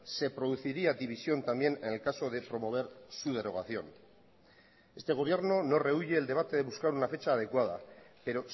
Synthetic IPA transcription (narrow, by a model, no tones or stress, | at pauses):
se̞pɾo̞ð̞uθiɾiad̪iβ̞isjo̞nt̪ambje̞nenelkaso̞ð̞e̞pɾo̞mo̞β̞e̞ɾsuð̞e̞ɾo̞ɣaθjo̞n | e̞st̪e̞ɣ̞o̞β̞je̞ɾno̞no̞re̞uʎe̞ːld̪e̞β̞at̪e̞ð̞e̞βuskaɾunafe̞t͡ʃaːð̞e̞kwað̞a̰pe̞ɾo̞